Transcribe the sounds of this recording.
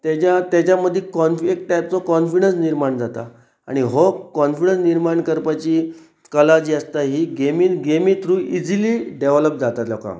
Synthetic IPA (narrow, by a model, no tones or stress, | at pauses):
t̪at͡ɕat̪jat͡ɕaməd̪ʱːjekɔnfek̚ʈajp̚t͡sɔkɔnfiɽənsniɾmaɳd͡zat̪a̰ | a̰ɽ̃iɦokɔnfiɽə̃nsniɾmaɳkəɾpat͡ɕiː | kəlad͡ʑiːəst̪aɦiːɡemiɡemiːt̪ɾuːʔid͡ziliɖeʋləp̚d͡zat̪at̪lɔkã̰